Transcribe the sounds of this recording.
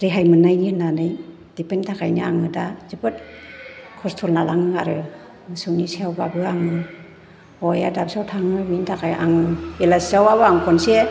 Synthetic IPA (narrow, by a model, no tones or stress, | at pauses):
ɾeɦajmɯnajnɯnanɯj | d̥ipentʰakʰajniaŋɯdazɯbɯt̚ | kʰɔstʰɔlnalaŋɯŋaɾɯ | mɯsɯwnisewbabɯaŋɯ | ɔjadap̚sawtʰaŋɯbintʰakajʔa̰ŋɯelasawabaaŋkʰɔnse